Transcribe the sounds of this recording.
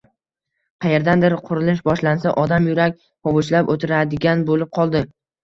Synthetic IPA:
qʰɑjeɾd̪and̪ɪɾqʰʊɾɪlɪʃ̬bɒʃlansaʔɒd̪amjʊɾakʲ | pɒvʊt͡ʃlapot̪ʰɪɾad̪ɪɡʲanbolɪp̚qʰɒlˠd̪ɪ

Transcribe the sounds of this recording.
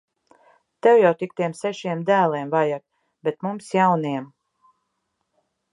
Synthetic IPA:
t̪ɛwjawt̪ik̚t̪iɛmsɛʃiɛmd̪æːlˠiɛmvajak̪̚ | bʲet̪mumsjawniɛm

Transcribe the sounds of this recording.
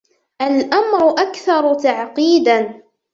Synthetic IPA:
ʔalʔamɾʊʔakθɑɾˤt̪aʕqiːd̪an

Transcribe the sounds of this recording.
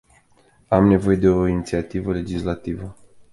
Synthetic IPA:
amne̞vo̞je̞d̪e̞o̞init̪siat̪ivəle̞d͡ʒislat̪ivə

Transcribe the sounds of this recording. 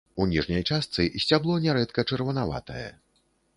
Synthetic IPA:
unʲiʐnʲɐjt͡ʂast̪sɨsʲt͡sʲablˠɔnʲɛɾɛt̪kɐt͡ʂɐrvɐnava̰t̪ɐjɛ̰

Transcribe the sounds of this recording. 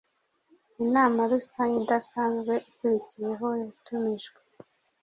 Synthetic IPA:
inaːmaɾusaɲidasaːnzɡwe̞ʔukuɾicije̞ɦo̞jatumiʒɡwe

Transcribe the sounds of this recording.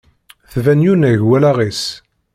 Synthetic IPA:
θvænjunæʝwælæʁis

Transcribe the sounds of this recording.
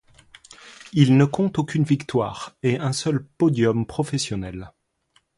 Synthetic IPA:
ilnəkɔ̃t̪okʲynvikt̪wa̰ːʁeɛ̃sœlpɔd̪jɔmpχɔfɛsjɔnɛl

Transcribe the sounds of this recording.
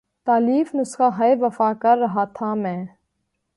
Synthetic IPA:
t̪aːliːfnʊsxaːɦaeʋəfaːkɐɾːɐɦaːt̪ʰaːmɛ̃ː

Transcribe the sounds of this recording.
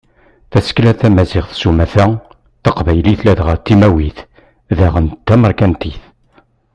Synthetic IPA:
θæsə̥klæθæmæzɪʁθsumæθæ | θəqvæjliθlæðʁəɾt̪ːimæwiθ | ðæʁənt̪ːæməɾkænt̪iθ

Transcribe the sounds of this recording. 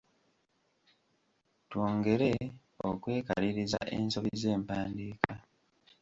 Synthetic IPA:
twoːŋɡe̞ɾe̞ | o̰kwe̞ːka̰ɾiɾiza̰ʔe̞̰ːnso̞βize̞ːmpaːndiːka

